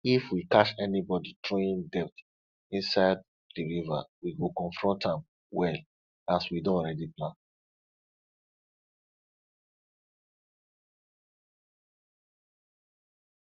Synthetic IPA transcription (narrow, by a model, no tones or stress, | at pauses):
ifwikaʃɛnibɔditɹõĩndɛp̚t | ĩnsaɪd̚ | diɹiva̰wiɡokɔ̃nfɹɔ̃ntãm | wɛl | aswidõɔɹɛdiplãn